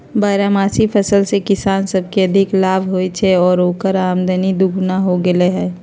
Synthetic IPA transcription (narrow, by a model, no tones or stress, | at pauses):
baːɾamaːsipʰəsəlsekɪsaːnsəb̚ʱkeɐd̪ʱɪklaːbʱɦoit͡ʃʰɛɔːɾoːkəɾaːmd̪ənid̪ʊɡʱnaɦoɡəleɦɛ̃ː